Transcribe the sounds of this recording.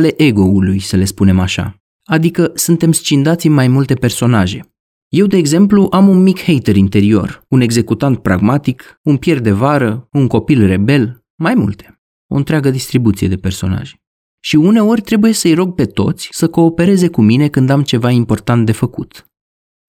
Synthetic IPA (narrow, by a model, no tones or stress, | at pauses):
le̞ʔe̞ɡo̞ulujsəle̞spune̞maʃa̰ | ad̪ikəsunt̪e̞mst͡ʃind̪at̪sʲinmajmult̪e̞pe̞rso̞naʒe̞̰ | je̞wd̪e̞ːɡze̞mpluʔamunmikhe̞jt̪eɾint̪e̞ɾio̞̰rune̞ɡze̞kut̪ant̪̚pɾa̰ɡmat̪ikunpje̞rd̪e̞vaɾəuŋko̞pilre̞be̞l | majmṵlt̪e̞̥ | o̞̰ɨnt̪ɾʲeaɡəd̪ist̪ɾibut̪sijed̪e̞pe̞rso̞na̰ʒ | ʃiune̞o̞rʲt̪ɾe̞buje̞səjɾo̞ɡ̚pe̞t̪o̞̰t̪sʲsəko̞ːpe̞ɾe̞ze̞kumine̞kɨnd̪amt͡ʃe̞vaimpo̞rt̪ant̪̚d̪e̞fəkut̪